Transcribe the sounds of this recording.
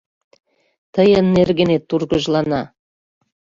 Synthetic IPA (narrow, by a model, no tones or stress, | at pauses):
t̪əjənːerɣĕnet̪ːurɣəʒlɑnɑ